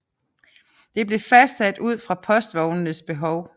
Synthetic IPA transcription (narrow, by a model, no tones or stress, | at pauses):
d̥e̝b̥le̝fæsd̥sæd̥uð̞̰ˠfʁɑ̈pʰɒ̽sd̥ʋɒʊnənəsb̥e̝ɦɒʊ